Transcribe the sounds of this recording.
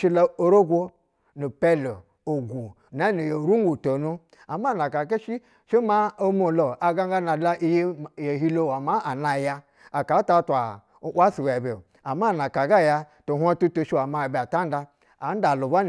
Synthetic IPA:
ʃi˦la˦o˦ɾo˦ɡʷo˦ | nu˨pe˦lo˨ | o˨ɡʷu˨ | na˦ni˨jo˨ɾu˦ŋ˦ɡu˨to˨nu˦ | a˨ma˦˨na˨ka˨ke˦ʃi˦ | ʃi˦ma˦o˦mo˨lo˨ʔa˨ɡa˦ŋɡa˦na˨la˦ʔi˦je˦˨je˨ɦi˦lo˦˨wa˨ma˦a˨na˨ja˧ | a˨ka˨˦ta˦tʷa˨˦ | ʔwa˦su˨we˨be˨ | a˨ma˦˨na˨ka˨ɡa˦˨ja˧ | to˨ɦʷa˦tu˦tu˦ʃi˦wa˨ma˨˦˨ba˨ta˦n˦da˧ | a˨˦n̩˦da˨lu˨ba˦n˨

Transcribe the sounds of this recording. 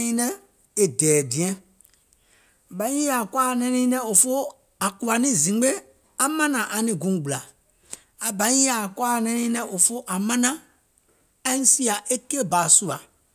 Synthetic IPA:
ĩ˦nɛ̃˦ | e˨dɛː˨dĩ˨ɛ̃˦˨ | bã˨˦a˨kwa˦˨nɛ̃˦nĩː˦nɛ̃˦o˨fo˦ | a˨ku˨a˨nĩ˦zĩ˨˦ɡ͡be˦ | a˦mã˦nã˨ʔa˨nĩ˨ɡũ˨˦˨ɡ͡bu˨la˨ | a˨bã˨˦a˨kwa˦˨nɛ̃˦nĩ˦nɛ̃˦ʔo˨fo˦ʔa˨mã˦nã˦ | ɛ̃˦n˦si˦a˨ʔe˦ke˦e˦˨baː˨su˦a˨

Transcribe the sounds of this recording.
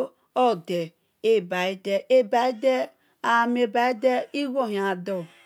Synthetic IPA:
ɔ˦˨de˨ | e˦˨ba˨i˦de˦ʔe˦ba˨˦i˦de˦ | a˨m˦e˨ba˨˦i˦de˦i˦wo˦˨ɦa˨dɔ˦˨

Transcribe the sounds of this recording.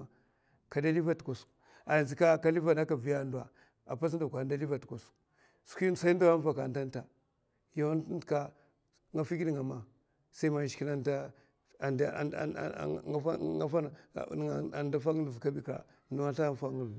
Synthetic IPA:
ka˨da˦li˦va˦tko˨s | a˨jnzi˨ka˦˨ka˦li˦va˨da˦ka˨vi˦ja˦˨nda˨ | a̰˨pa˦s̬n˦da˨kʷa˨da˦li˦va˨tku˨s | skʷi˦˨sa˦i˦n˦da˦a˦va˨ka˨nda˦n˦ta˨ | ja˦n˦n˦dka˦ | ŋɡa˨fi˦ki˦di˦˨ŋa˨ma˨ | sa˦i˦ma˨ʃki˦na˦nda˦ | a˨d̰a˦ŋa˦fa˦n̰˨ | a˨nda˦fa˦ŋ˦˨vka˦bi˦ka̰˨ | nu˨wa˦ɬa˦˨fa˦ŋu˨

